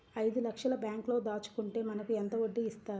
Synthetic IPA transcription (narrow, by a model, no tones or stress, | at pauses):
ɐjd̪ulɐkʂɐlɐbjaːŋklo̞ːd̪aːt͡ʃu̥kuɳʈe̞ːmɐnɐkuɛnt̪ɐʋoɖːiist̪aːɾu